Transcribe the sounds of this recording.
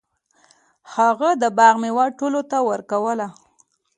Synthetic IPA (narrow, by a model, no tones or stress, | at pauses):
haɣad̪əbɑɣmewaʈolot̪awəɾkawəla